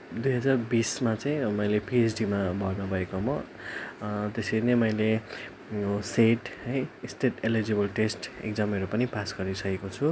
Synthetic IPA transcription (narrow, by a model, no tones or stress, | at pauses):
d̪ujɦʌd͡zarbismat͡saĩmʌjlepiesɖimabʱʌrnʌbʱʌekomʌ | t̪esenʌmʌjle | seʈʌjst̪ʰeʈelid͡zebʌlʈesʈḛk̚d͡zʌmeɾupʌnipasɡʌɾisʌkekot͡sʰu